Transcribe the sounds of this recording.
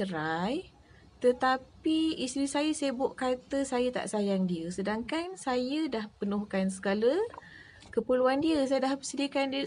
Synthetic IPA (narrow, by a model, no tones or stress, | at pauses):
əɾaj | t̪ət̪apiist̪ɾisajəsebʊʔkat̪əsajət̪a̰ʔsajaŋdiəsədaŋkansajədahpənuhkansəɡalə | kəpəluandiəsajədahbəsədiəkandiə